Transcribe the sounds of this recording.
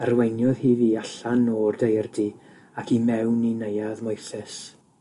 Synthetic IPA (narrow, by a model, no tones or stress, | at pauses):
ərwejnjɔðhiːviːaɬanɔrdejrdi | akʰimɛwninejaðmʊjθɛs